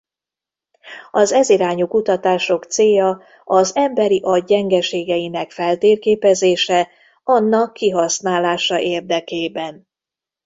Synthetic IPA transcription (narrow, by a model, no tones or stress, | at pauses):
ɒzɛziɾaːɲukut̪ɒt̪aːʃo̞kt̪seːjɒ | ɒzɛmbɛɾiʔɒːɛŋɡɛʃeːɡɛjinɛkfɛlt̪eːrkeːpɛzeːʃɛ | ɒnːɒkʰːiɦɒsnaːlaːʃɒʔeːrd̪ɛkeːbɛn